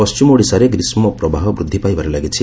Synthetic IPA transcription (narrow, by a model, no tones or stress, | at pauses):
ɔst͡ʃumɔɽisaɾeɡɾismɔpɾɔbʱaɦɔbɾud̪ʱːipajbaɾelaɡit͡ʃʰi